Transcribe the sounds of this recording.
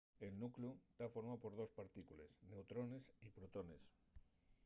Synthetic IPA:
e̞lnukluet̪afo̞ɾmaopo̞ɾð̞o̞spaɾt̪ikulḛsne̞wt̪ɾone̞sipɾot̪one̞s

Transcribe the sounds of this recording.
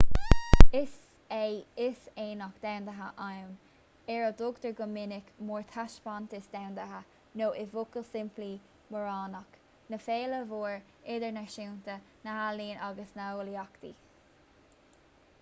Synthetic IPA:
ɪs | ejɪseːnɔkd̪awnd̪əɦəʔan | ɛɹəd̪ʊɡd̪əɹɡʊmɪnɪkmɔːɹt̪ʰaʃpant̪ɪsd̪awnd̪əɦə | noːʔɪvʊkəlsɪmpli | məɹɑːnɔk | nəfeːləvuːɹ | ɪd̪əɹnaɹʃiwnt̪ə | nəhaliːnʔaɡəsnaoliakt̪i

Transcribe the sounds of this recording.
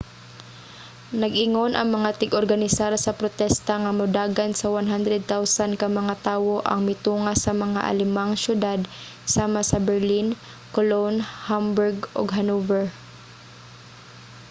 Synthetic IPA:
nɐɡʔɪŋonʔɐŋmɐŋat̪ɪɡʔoɾɡɐnɪsaɾsɐpɾot̪ɛst̪aŋɐmʊd̪aːɡansɐwanɦand̪ɾɛd̪̚t̪awsankɐmɐŋat̪aːwoʔɐ̰ŋmɪt̪uːŋasɐmɐŋa̰ʔɐ̰lɪmaŋsjʊd̪ad̪ | saːmasɐbɛɹlin | kolonhambʊɹɡo̰ɡɦɐnuvɛɹ

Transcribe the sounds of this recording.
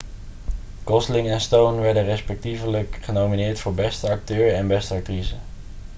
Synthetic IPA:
kɔslɪŋɛnstownʋɛɹdənrɛspɛk̚tivələkχənowminɪːɹtfʊːɹbɛstəɑk̚tøːɹəɛnbɛstəɑk̚trizə

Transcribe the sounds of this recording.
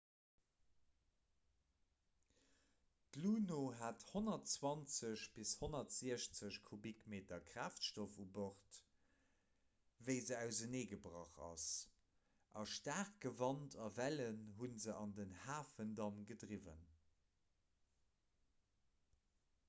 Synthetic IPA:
tluːnoːɦathonɐtt͡swɑnt͡səɕb̥ishonɐtz̥iəɕt͡səɕkʰubikmeːtɐkʁ̥aːftʃtofuboχt | vəɪzəæʊzəneːɡəbʁɑχɑ̰s | ʔɑʃtaːʁkɡəvɑntʰɑvælənɦunzəʔɑndənhaːfəndɑnɡədʁivə̰n

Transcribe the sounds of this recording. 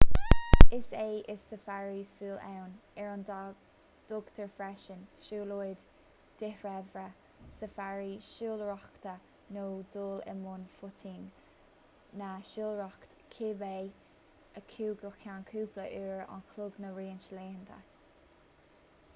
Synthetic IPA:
ɪseːʔɪssəfaɹisuːlɛ̰wn | ɛɹɔnd | d̪̥ʊɡt̪ʰəɹfɾɛʃənʃuːlojd̪ | d̪̥ɪhɹɛvɾə | səfaɹiʃuːlɹɔxt̪ə | noːd̪uːlɪ̰mʊnfʊt̪ʰiːnː | aʃuːlɹɔkt̪kʰɪbej | əkʰuːɡəkʰankʰuːpləʔiɹa̰nkʰlʊɡnəɹiːənʃleːnd̪ə̰

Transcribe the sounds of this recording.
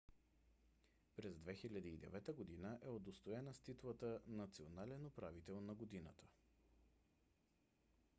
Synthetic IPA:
pɾɛzd̪vɛxilʲɐd̪iːd̪ɛ̰vɛt̪əɡod̪inəʔɛod̪ost̪oɛnəst̪it̪lˠət̪ənɐt̪sionalɛnopɾavit̪ɛlˠnɐɡod̪inə̰t̪ə̥

